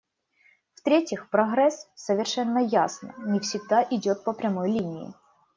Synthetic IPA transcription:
ft̪ɾʲetʲɪxpɾɐɣɾɛssəvʲɪrʂɛnːəjasnə̰nʲɪfsʲɪɡd̪aʔɪdʲot̪̚pəpɾʲɐmojlʲinʲɪɪ̰

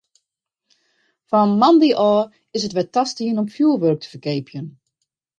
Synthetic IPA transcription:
fanmɑndiʔɔː | ɪsətʋɛtastiənɔmfjuːlˠʋørk̚tʰə̥fərkeːpjən

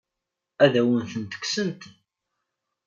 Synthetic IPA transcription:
æðæwənθənt̪ə̥ksənt̪

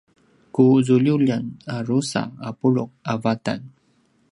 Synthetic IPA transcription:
kuzuʎuʎanaɾusa̰apuɭuk̚avata̰n

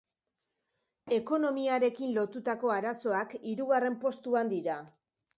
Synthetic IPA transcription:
e̞ko̞no̞miaɾe̞kinlo̞t̪ut̪ako̞aɾaso̞akiɾuɣare̞mpo̞st̪uand̪iɾa

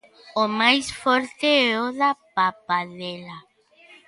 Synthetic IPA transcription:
omajsfɔɾt̪eeoðapapaðela

